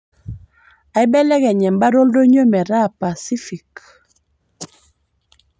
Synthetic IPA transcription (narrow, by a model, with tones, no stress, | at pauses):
a˨i˦bɛ˦lɛ˦kɛ˨ɲɛ˨mba˦ɾo˦ldo˦ɲo˦mɛ˨ɾa˦˨pa˨si˦fi˨k